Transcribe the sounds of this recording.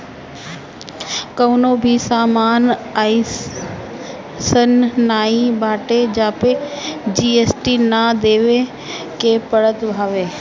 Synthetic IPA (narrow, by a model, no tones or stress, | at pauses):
kəʋnoːbʱisaːmaːnaːi | sənːaːibʱaːʈed͡ʑaːped͡ʑiːeːsʈinad̪eːʋe | keːpəɽət̪bʱaːʋeː